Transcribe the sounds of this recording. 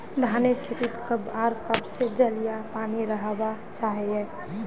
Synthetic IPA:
d̪ʱaːnekʰɪɾit̪kəbaːɾkəbsed͡ʒəlijapaːniɾəɦba | t͡ʃaːɦeɦɛː

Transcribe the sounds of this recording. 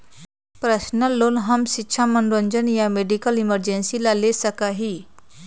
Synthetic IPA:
pɾəɕnəlːonɦəmɕitːɕʰamənɾoɲd͡ʑənjameɖikəliməɾd͡ʑensilalesəkaɦiː

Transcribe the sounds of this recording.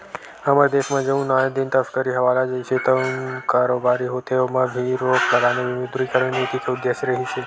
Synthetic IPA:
əmaɾd̪eʃmãd͡ʒəũnad̪int̪əfkəɾiɦəʋalad͡ʒəjt͡ʃʰet̪ənkaɾobaɾiɦot̪eomãbʱiɾokləɡaneʋɪmid̪ɾikəɾənit̪ik̪ʰeud̪jeʃɾəɦit͡ʃʰe

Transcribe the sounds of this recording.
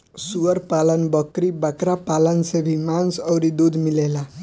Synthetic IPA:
suɡəɾpalənbʌkɾibakɾapalənsebʱimansʌwɾid̪ud̪ʱmilela

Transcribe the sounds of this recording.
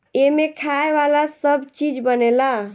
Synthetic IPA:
emekʰaeʋalasəbt͡ʃid͡ʒbənela

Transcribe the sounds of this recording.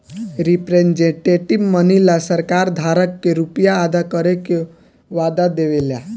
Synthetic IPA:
ɾipɾend͡ʒẽʈeʈibmənilasəɾkaɾd̪ʱaɾəkːeɾupjaːd̪akəɾeke | ʋad̪ad̪eʋelja

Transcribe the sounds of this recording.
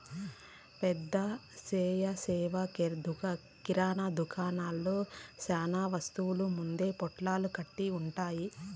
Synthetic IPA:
pɛd̪ːɐsɛːjɐsɛːʋɐd̪ | kiɾaːnad̪ukʰaːnaːlːoːsaːnaːʋɐst̪uwulumund̪e̞ːpɔʈlaːlukɐʈːiuɳʈaːji

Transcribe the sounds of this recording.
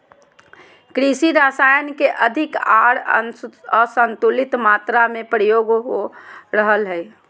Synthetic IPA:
kɾisiɾaːsaːjənkeʔəd̪ʱɪkaːɽ | əɾsə̃nt̪ulɪt̪maːt̪ɾamẽpɾəjoːɡɦoɾəɦəlɦɛi

